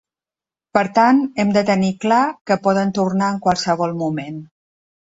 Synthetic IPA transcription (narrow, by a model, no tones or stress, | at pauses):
pəɾt̪anɛmd̪ət̪əniklakəpɔðənt̪urnaəŋkwalˠsəβ̞ɔlˠmumen